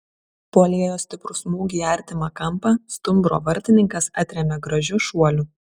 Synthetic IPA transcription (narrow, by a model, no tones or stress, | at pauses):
poːlʲeɛjoːsʲt̪ʲɪpɾʊsmuːɡʲiːɐˑɾʲt̪ʲɪmɐkɐmˑpɐst̪ʊmbɾo̰ːʋɐɾʲt̪ʲɪnʲɪŋkɐsɑt̪ʲɾʲɛmʲɛɡɾɐʒʲʊʃuɔlʲʊ